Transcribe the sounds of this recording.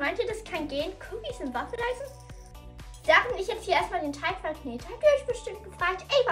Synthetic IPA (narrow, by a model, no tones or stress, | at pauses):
maɪntiːɐdaskʰanɡeːnkʰʊkisɪnvafəlaɪsn̩ | d̥aːʁɪnɪçjɛt͡sthiɐeːɐstmaːldeːntʰaɪkfalkneːtəhabdiɪçb̥əʃtɪmt̚ɡ̥əfʁ̥aːk̚tʔɛɪv